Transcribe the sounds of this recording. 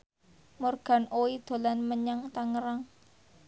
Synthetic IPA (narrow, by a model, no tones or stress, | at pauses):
morɡ̥a̤nʔoid̪̥o̤lanməɲaŋt̪aŋəɾaŋ